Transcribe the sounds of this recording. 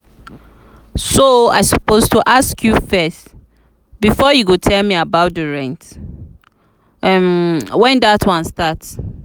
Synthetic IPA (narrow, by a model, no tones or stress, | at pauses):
soa̰ɪsu̥postʰuʔaskʰjufɛs | bifɔjuɡotʰɛlmĩabaʊt̚dəɹɛ̃nt | ɛmwɛ̃ndatʰwãnstats